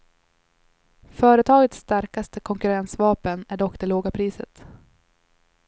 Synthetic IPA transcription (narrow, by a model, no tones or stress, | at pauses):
fœːɾət̪ʰɑːɡət̪sːt̪aɾkast̪əkʰɔŋkɵɾɛnsvɑːpənæɖɔkːd̪ɛloːɡapʰɾiːsə̰t̪